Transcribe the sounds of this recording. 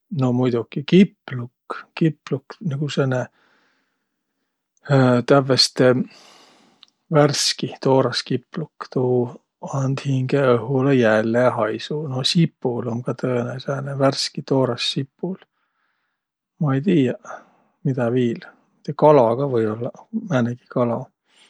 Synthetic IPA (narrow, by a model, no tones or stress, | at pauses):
no̞mujd̪̥ukikipːlukːkipːlukniɡ̥usene | t̪ævːest̪e | værskit̪o̞ːɾɑskipːlukt̪uː | ɑnd̪̥hiŋɡeɤɦulejælːeɑɦɑjsunosipːulo̞ŋɡɑt̪ɤeneseneværskit̪oːɾɑsːipːul | mɑejt̪iːjɑ | mid̪̥ɑviːl | it̪ekɑlɑɡ̥ɑvɤjolːɑmæːneɡ̥i̥kɑlɑ